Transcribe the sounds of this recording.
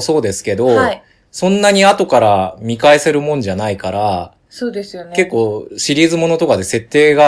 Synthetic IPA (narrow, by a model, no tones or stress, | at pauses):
so̞ːd̪e̞sɨ̥ke̞d̪o̞ | sõ̞nːaɲ̟iat̪o̞kaɾamʲikae̞se̞ɾɯ̟mõ̞ɲ̟d͡ʑanaikaɾa | soːd̪esɨjoke̞kːo̞ːɕiɾʲiːzɨmo̞no̞t̪o̞kad̪e̞se̞t̪ːe̞ːɡa